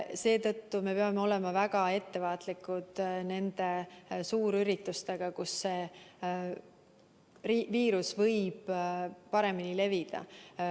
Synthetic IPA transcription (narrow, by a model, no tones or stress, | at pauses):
se̞ːt̪ɤ̞t̪ːume̞peɑmeo̞le̞mɑvæɡ̥ɑe̞t̪ːe̞vɑːt̪ˑlikːˑud̪̥ne̞nd̪e̞suːɾyɾit̪ˑːust̪e̞ɡ̥ɑkusːe̞ | riviːɾusvɤjb̥pɑɾe̞minile̞vid̪̥ɑ̰